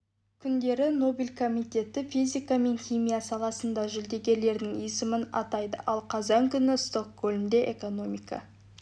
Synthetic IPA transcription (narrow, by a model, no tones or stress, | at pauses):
kʲʰʏnd̪e̞ɾɪno̞bilʲkʰomijt̪ʲe̞t̪ɪfizʲijkame̞nxʲimijasɑlˠɑsənd̪ɑʒʏld̪e̞ɡʲe̞ɾle̞ɾd̪ɪŋijsəmənɑ̰t̪ɑjd̪ə̰ʔɑlˠqʰɑzɑŋkʲʰʏnɪst̪okɡolʲmd̪e̞ʔḛko̞no̞mika̰